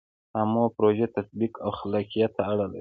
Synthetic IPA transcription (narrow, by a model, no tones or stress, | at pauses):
hamopɾoʒet̪asbikawxalakijat̪ːaːɽala